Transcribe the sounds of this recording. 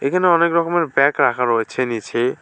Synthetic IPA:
ekʰaneɔnekɾɔkɔmeɾbɛkɾakʰaɾoet͡ʃʰenit͡ʃʰe

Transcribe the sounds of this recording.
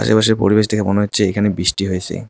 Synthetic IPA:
a̰ʃḛpaʃeɾpo̰ɾiβeʃt̪ʰekʰemoneɦotːɕʰeekʰanebɾiʃʈiɦojet͡ɕʰḛ

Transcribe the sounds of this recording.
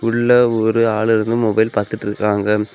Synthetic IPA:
ʊɭːɐɔɾɯaːɭɪɾɯnd̪ɯmɔbɐjɪlpaːɾt̪ɪʈːɪɾɯkːaːŋɡɐ

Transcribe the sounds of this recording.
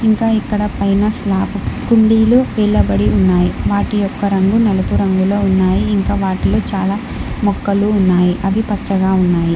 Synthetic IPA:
iŋkaːikːɐɽɐpɐjnɐslaːpukuɳɖiːloːʋɛːɭːɐbɐɽiunːaːjiʋaːʈijɔkːɐɾɐŋɡunɐlɐpuɾɐŋɡuloːunːaːjiːŋkaːʋaːʈilo̞ːt͡ʃaːlaː | mɔkːɐluːnːaːjiʔɐd̪ipɐt͡ʃːɐɡaːunːaːji

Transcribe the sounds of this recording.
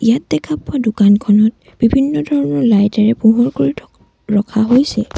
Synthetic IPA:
ijat̚dɛkʰapʊadukankʰɔnɔt̚ | b̥ibʱinːɔdʱɔɹɔnɔɹlajtɛɹɛpuɦɔɹkoɹiɔ | ɹɔkʰaɦojsɛ

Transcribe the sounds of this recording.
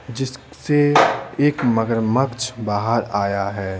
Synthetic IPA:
d͡ʒɪs | seeːkməɡəɾməkt͡ʃʰbaːɦəɾaːjaɦɛː

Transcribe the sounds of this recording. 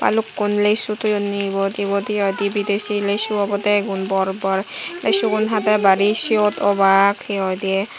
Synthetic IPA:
pa̰lukːunlesut̪unibɔd̪ibɔd̪iɔjd̪ibid̪esilesuɔbɔt̪ɛɡunbɔɾbɔɾlesuɡunɦat̪ɛbaɾisiot̪ɔbakʰiɔd̪iɛ

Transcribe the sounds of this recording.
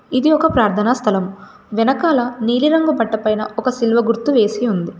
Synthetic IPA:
id̪iɔkɐpɾaːɾt̪ʰɐnaːst̪ʰɐlɐm | ʋɛnɐkaːlɐniːliɾɐŋɡɐbɐʈːɐpɐjnɐʔɔkɐsilʋɐɡuɾt̪ːuʋe̞ːsiund̪i

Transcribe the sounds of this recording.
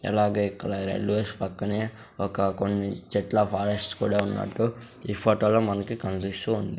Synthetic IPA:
ɐ̰laːɡeːikːɐlaɾḛlːuʋeːspɐkːɐneː | ɔkɐkonːit͡ʃɛʈlɐpʰaːɾesʈskuːɽaːunːa̰ːʈːu | iːpʰoːʈoːloːmɐnɐkikɐnpisuund̪i

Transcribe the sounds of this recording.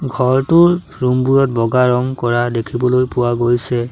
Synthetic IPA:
ɡʱɔɹtʊɹ | ɹumbuɹɔt̚bɔɡaɹɔŋkɔɹadekʰibɔlojpʊwaɡojsɛ

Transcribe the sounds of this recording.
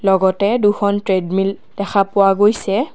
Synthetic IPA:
lɔɡɔtɛduxʰɔntɹedmil | d̥ɛxʰapʊwaɡojsɛ

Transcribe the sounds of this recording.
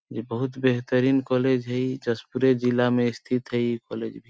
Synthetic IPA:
d͡ʒibəɦut̪beɦt̪əɾiːnkɔled͡ʒɦəid͡ʒəspuɾed͡ʒilːameɪst̪ʰit̪ɦəikɔːled͡ʒbʱi

